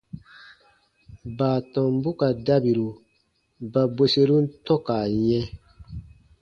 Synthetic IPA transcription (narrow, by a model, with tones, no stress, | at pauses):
baː˨tɔ̃˨m˦bu˦ka˨da˦bi˨ɾu˨ | ba˨bwe˦se˧ɾu˦n̩˦tɔ˦ka˨ɲɛ̃˦